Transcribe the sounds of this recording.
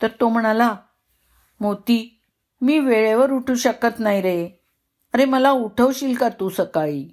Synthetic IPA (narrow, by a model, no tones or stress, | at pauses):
t̪əɾt̪om̤əɽ̃ala | mot̪iː | miːʋeɭaʋəɾuʈʰuːɕəkət̪najɾəe | əɾeməlauʈʰəʋɕiːlkat̪usəkaj